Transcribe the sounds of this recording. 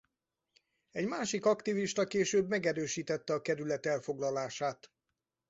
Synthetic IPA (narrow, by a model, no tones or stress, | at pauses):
ɛɟmaːʃikɒkt̪iviʃt̪ɒkeːʃøːbmɛɡɛɾøːʃiːt̪ɛt̪ːɛɒkɛɾylɛt̪ɛlfo̞ɡlɒlaːʃaːt̪